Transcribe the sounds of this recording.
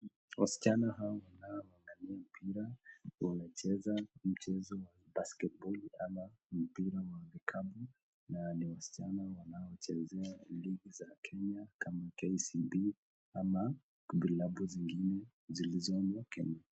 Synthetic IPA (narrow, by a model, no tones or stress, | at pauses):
wasi̥t͡ʃanahawɔwanaɔaŋɡaniam̩pʰiɾawanat͡ʃɛzam̩t͡ʃɛzɔwabaskɛt̚bɔliamam̩piɾawavikʰabu | naniwasi̥t͡ʃanawanaɔt͡ʃɛzɛaliɡizakʰɛɲakʰamakɛsibi | ama | kubilabuziŋɡinɛ | zilizɔmakɛ̰ɲa